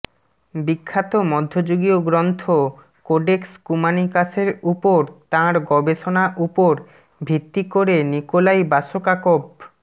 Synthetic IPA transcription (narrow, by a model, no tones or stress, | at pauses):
bikʰːat̪omɔd̪ʱːod͡ʑoɡioɡɾɔnt̪ʰo | koɖekskumanikasʰeɾupoɾt̪ãɾɡɔbeʃonaʔupoɾ | bʱit̪ːikoɾenikolajbaʃokakob